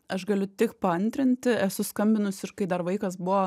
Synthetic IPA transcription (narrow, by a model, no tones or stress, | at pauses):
ɐʃɡɐlʲʊt̪ʲɪkpɐɐnʲt̪ʲɾʲɪnʲt̪ʲɪɛsʊskɐmʲbʲɪnʊsɪʃkɐɪd̪ɐɾʋɐɪkɐsbʊʋo